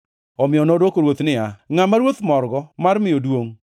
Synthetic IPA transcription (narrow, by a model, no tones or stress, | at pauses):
ɔmɪɔnodokoɾwot̪nɪaŋamaɾwot̪mɔɾɡɔmaɾmɪjodwoŋ